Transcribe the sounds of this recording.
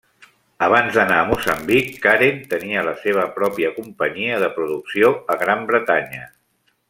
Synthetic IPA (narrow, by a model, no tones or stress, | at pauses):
əβ̞anzðənaəmusəmbikːaɾint̪əniələseβ̞əpɾɔpiəkumpəɲiəðəpɾuðuksioəɣɾambɾət̪aɲə